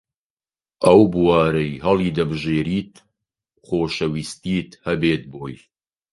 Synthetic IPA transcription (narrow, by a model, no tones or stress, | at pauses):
ʔɐwbɨwaːɾɐjɦɐlˠiːd̪ɐbɨʒeːɾiːt̪ | χoːʃɐwist̪iːt̪hɐbeːt̪̚boːj